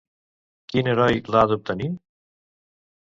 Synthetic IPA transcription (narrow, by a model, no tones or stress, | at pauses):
kinəɾɔjlaðup̚t̪ənim